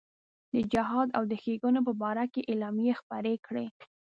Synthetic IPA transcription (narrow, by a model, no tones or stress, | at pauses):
d̪əd͡ʒɪɦɑd̪a̰wd̪əxeɡunop̬əbɑɾakeʔelɑmjexpaɾekɽe